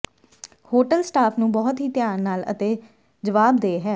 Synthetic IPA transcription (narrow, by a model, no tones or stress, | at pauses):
hoːʈəlsʈaːpʰnũːbɔːt̪ɦiːt̪jaːnnaːlə̰t̪eː | d͡ʒəʋaːbd̪eːɦɛː